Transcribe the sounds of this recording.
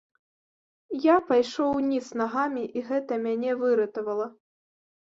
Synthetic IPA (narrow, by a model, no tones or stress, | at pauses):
japajʂɔwnʲisnaɣamʲiʔiɣɛt̪ɐmʲanʲɛvɨɾɐt̪ɐvɐlˠɐ